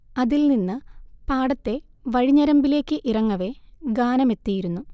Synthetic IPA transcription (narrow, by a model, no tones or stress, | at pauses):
ɐðilninːɨpaːɽɐt̪ːe̞ | ʋɐɻiɲːɐɾɐmbile̞ːkːɨʔirɐŋːɐʋe̞ɡaːnɐme̞t̪ːijiɾunːu